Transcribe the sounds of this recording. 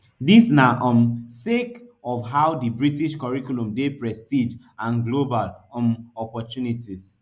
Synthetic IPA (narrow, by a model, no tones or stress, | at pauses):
disnaʔɔ̃msekɔfɦawdibɹitiʃkɔɹikulũmdepɹɛstid͡ʒ | ãnɡlobalɔmɔpɔtjunitis